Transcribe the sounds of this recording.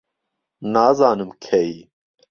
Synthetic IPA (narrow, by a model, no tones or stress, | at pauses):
naːzɑːnɨmkʰɛji